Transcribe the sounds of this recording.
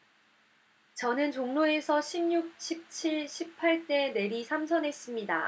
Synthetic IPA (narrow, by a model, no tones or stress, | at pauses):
t͡ɕʌnɯnt͡ɕoŋnoe̞sʰʌɕʰimɲuk̚ɕʰip̚t͡ɕʰiɭɕʰipʰːaɭt͈e̞ne̞ɾisʰamsʰʌnɦe̞s͈ɯmɲida̰